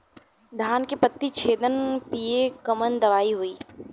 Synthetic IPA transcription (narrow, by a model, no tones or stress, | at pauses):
d̪ʱaːnkepət̪ːit͡ʃʰeːd̪ənpiːekɐmənd̪ɐʋaːiɦoiː